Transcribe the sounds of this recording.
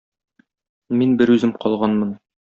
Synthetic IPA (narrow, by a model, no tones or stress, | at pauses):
minbɘɾʉzɘmqɒlˠʁɑnmɤn